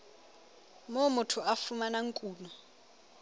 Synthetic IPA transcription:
momutʰuafumanaŋkʼuːnɔ

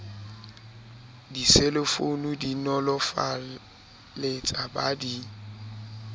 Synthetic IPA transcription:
diselɪfonudinɔlɔfa | let͡sʼabadi

